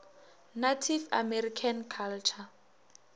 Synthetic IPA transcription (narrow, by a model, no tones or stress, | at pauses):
natʰifa̰mɛrikʰankʰalt͡ʃʰa